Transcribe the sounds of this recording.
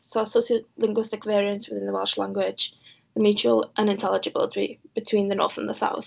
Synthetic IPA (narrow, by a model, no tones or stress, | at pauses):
soʊəsoʊsəlɪ̃ŋɡwɪstɪkvɛːɹiə̃ntswɪðɪ̃nðəwɛlˠʃlã̰ŋɡwɪ̥d͡ʒ̥ | ðəmjʉːˑt͡ʃuəlˠʔə̃nɪ̃ntʰɛlɪd͡ʒəbɪ̰lˠɪtʰɹḭb̥ɪtʰw̥ĩːnðənɔ̰ːˑθə̰̃nðəsa̰ʊθ